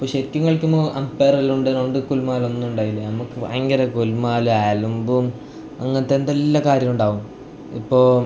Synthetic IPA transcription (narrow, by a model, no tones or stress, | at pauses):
ipːoːɕeɾikʲːuŋːɐɭkʲːumuʔɐmpːeːrɐluɳɖenoɳɖɨkulmaːlo̞nːuuɳɖaːjilːɐnɐmukːɨɐ̰ŋɡɐɾɐkulmaːluaːlumbum | ɐŋːɐnɐt̪ːend̪elːɐkaːɾjɐmuɳɖaːʋum | ḭpːoːɭ